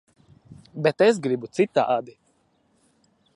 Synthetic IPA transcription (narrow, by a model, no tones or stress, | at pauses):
bɛt̪es̬ɡɾibut̪sit̪ːa̰ːʔad̪i